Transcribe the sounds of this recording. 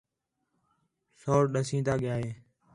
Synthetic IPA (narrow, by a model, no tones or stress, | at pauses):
soːɾɗəsĩːt̪aːɠɪjaːɦeː